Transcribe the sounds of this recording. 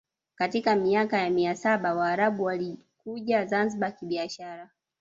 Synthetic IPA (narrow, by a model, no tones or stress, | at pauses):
katikamiakajamiasaɓawaːɾaɓuwali | kuʄazanziɓakiɓiaʃaɾa